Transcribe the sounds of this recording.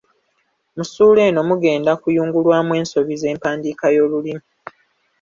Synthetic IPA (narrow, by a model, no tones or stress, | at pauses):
musuːle̞ːno̞muɡe̞ːndakujuːŋɡulwaːmwe̞ːnso̞βize̞ːmpaːndikajoːlulimu